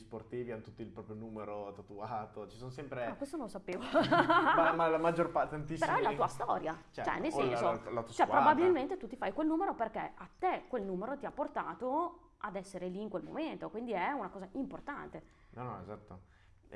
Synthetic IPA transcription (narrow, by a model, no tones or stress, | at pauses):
sport̪iːvianot̪ut̪ːiilpɾɔːpɾjonuːmeɾot̪at̪uaːt̪ot͡ʃi̥sonsɛmpɾemakwest̪onõnlosapeːvo | malamad͡ʒːorpaɾt̪eant̪ispeɾɔɛlat̪uːast̪ɔ̰ːɾjat͡ʃɛt͡ʃɛ̰nːesɛnsolaut͡ʃoɛpɾobabiilment̪et̪ut̪ːifajkwelnuːmeɾoperkeat̪ːekːwelnuːmeɾot̪iapːort̪aːt̪o | ad̪ɛsːeɾeliːŋkwelmo̰ment̪okwind̪iɛunakɔːzaʔimport̪a̰nt̪e | nɔnɔḛzat̪ːo